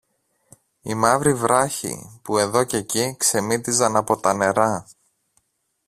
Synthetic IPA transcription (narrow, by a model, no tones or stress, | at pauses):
ḭmɐvɾivɾɐçḭpue̞ðo̞ce̞cikse̞mit̪izɐnɐpo̞t̪ɐne̞ɾɐ